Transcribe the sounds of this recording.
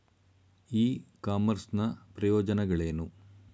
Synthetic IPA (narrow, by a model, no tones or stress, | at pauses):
iːkaːmɐɾsnɐpɾɐjɔːd͡ʒɐnɐɡɐɭeːnu